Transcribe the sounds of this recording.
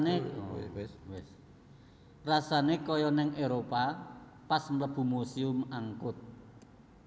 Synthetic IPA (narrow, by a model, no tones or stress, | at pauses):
ne | wɪs | rasanekɔjɔnɛŋeɾopa | pasmləb̥ṳmosiʊmaŋkʊt̪̚